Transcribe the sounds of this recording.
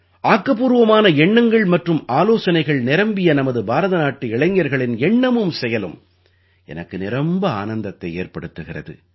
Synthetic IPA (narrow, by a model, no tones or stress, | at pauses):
ʔaːkːɐpuːɾɯʋɐmaːnɐɛɳːɐŋɡɐɭmɐʈrɯmaːloːsɐnɐɪɣɐɭnɪɾɐmbɪjɐnɐmɐðɯbʱaːɾɐðɐnaːʈːiɪɭɐŋjɐɾɣɐɭɪnɛɳːɐmɯmsɛjɐlɯm | ɛ̰nɐkːɯnɪɾɐmbɐa̰ːnɐnd̪ɐt̪ːɐɪeːɾpɐɽɯt̪ːɯɣɪrɐ̰ðɯ̰